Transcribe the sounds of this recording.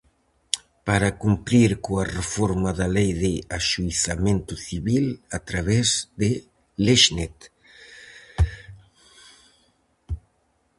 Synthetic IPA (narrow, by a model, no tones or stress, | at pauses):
paɾakumpɾiɾkoarefɔɾmaðalejðeaʃuiθamẽnt̪uθiβilat̪ɾaβ̞ezd̪e | leʃnet̪